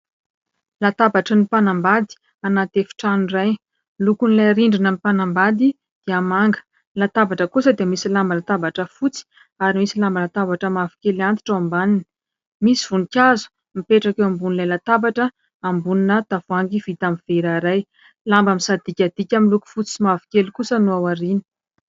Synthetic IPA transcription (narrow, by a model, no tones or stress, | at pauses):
lat̪abaʈ͡ʂənipanambad̪i̥ | anat̪efi̥ʈ͡ʂanuiraj | lukunilajɾiɳɖ͡ʐinamipanambad̪i | d̪̥eamaŋɡə̥ | lat̪abaʈ͡ʂəkusəd̪emisilambalat̪abaʈ͡ʂəfut͡si̥ | aɾimisilambalat̪avaʈ͡ʂəmavi̥kʲeliant̪i̥ʈ͡ʂawambaninə̥ | misiv̥unikʲazu̥ | mipeʈ͡ʂakewambunlajlat̪abaʈ͡ʂə | ambuninət̪avuaŋɡiv̥it̪amiv̥eɾaɾaj | lambamisad̪ikʲad̪̥ikʲamiluku̥fut͡siimavi̥kʲelikusənuawaɾini̥